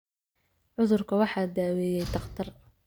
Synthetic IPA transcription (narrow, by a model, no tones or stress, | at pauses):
ʕʊðʊrkʰɐwɑħɑːd̪aːwɛːjɛjt̪ʰɑqt̪ʰɐr